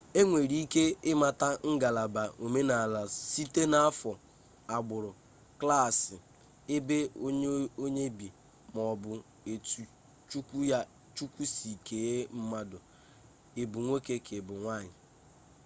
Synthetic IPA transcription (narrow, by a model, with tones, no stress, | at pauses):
e˦ŋʷe˨ɾi˦i˦ke˦ɪ˦ma˨ta˦ŋ̩˦ɡa˨la˨ba˨o˨me˦na˨la˨si˦te˦na˦a˦fɔ˨ | a˨ɡ͡bʊ˨ɾʊ˨ | kla˦˨sɪ˨ | ɪ˦be˦o˦o˦ɲe˦bi˨ | mɔ˨bʊ˨ | e˨tu˨ | t͡ʃu˦kʷu˦ja˦ | t͡ʃu˦kʷu˦si˨ke˨je˦m̩˦ma˦dʊ˨ | e˨bʊ˨ŋʷe˦ke˦kʰe˨bʊ˨ŋʷa˦˨ɲɪ˨